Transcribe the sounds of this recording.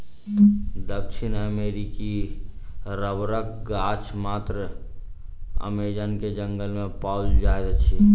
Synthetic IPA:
d̪əkʃinəmeɾiki | ɾəbɾək̚ɡat͡ʃʰmaːt̪ɾə | ə̰med͡ʒənked͡ʒə̃ŋɡəlmẽpaʊd͡ʒd͡ʒaet̪t͡ʃʰi

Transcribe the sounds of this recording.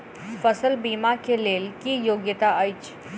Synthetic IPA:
fəsəlbiːmakeleːlkijoːɡjət̪aəjt͡ʃ

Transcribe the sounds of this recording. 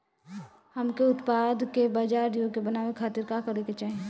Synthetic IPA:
həmkeʊt̪pad̪ʱkebaːd͡ʒaːɾd̪ioɡkebənaːʋekʰaːt̪iɾkakəɾeket͡ʃaːɦi

